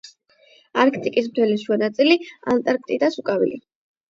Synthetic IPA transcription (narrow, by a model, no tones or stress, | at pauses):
aɾkʰt̪ʼikʼis̬mt̪ʰɛliʃanat̪sʼilia̰nt̪ʼaɾk̚ʰt̪ʼid̪asukʼavḭlḭ